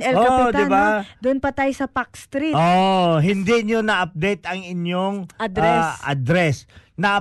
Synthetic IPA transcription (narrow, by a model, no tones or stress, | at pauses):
ʔɛlɡoɐpʊd̪ɪnbad̪ʊnpɐt̪aːjosɐpak̚st̪ɾiʔoɦɪnd̪iɲonɐʔɐp̚d̪ɛjt̪ɐŋɪɲoŋɐd̪ɾɛsɐd̪ɾɛsnɐ